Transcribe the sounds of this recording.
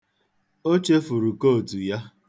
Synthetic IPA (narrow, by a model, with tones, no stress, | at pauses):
o˦t͡ʃe˦fu˨ɾu˨ko˦˨tu˨ja˦